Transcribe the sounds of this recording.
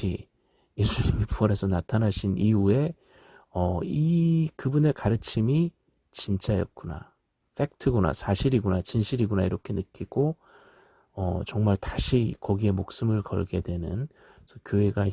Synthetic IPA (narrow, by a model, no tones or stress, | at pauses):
ḭ | je̞sʰuɲimipuʌɾe̞sʰʌnatʰanaɕʰiniue̞ | ʌikɯbune̞kaɾɯt͡ɕʰimi | t͡ɕint͡ɕ͈ajʌt̚k͈una̰ | fʰe̞k̚tʰɯɡona̰sʰaɕʰiɾiɡonat͡ɕinɕʰiɾiɡonaiɾʌkʰe̞nɯk͈iɡ̥o | ʌt͡ɕʌŋmaɭtaɕʰikʌɡie̞mok̚s͈ɯmɯɭkʌ̰ɭɡe̞dwe̞nɯ̰n | sʌkjoɦe̞ɡa